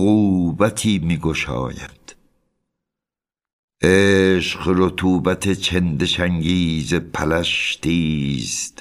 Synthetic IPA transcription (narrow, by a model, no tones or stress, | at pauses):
ɣuːbæt̪ʰiːmiːɡoʃɒ̰ːjæ̰d̪̥ | ʔeːʃɢɾot̪ʰuːbæt̪ʰet͡ʃʰend̪eʃæŋɡiːzepʰælæʃt̪iːst̪